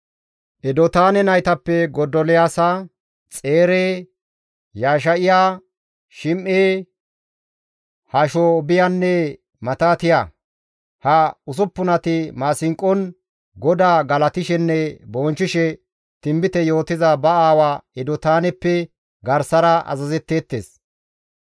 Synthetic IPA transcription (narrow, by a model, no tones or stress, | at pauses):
ʔɛd̪ɔt̪aːnɛnɐjt̪ɐpːɛɡɔd̪ɔlɛjaːsa | t͡sʼeːɾeː | jaːʃ̬ɐʔɪjaː | ʃɪmʔeː | hɐʃɔbɪjɐnːɛ | mɐt̪aːt̪ɪja | hɐʊs̬ʊpːʊnɐt̪ɪmaːsɪŋkʼːɔn | ɡɔd̪aːɡɐlɐt̪ɪʃɛnːɛbɔːnt͡ʃːɪʃɛ | t̪ɪmbɪt̪ɛjo̞ːt̪ɪzɐbɐaːwaɛd̪ɔt̪aːnɛpːɛ | ɡɐɾsɐɾɐʔɐ̰zɐzɛt̪ːeːt̪ːeːs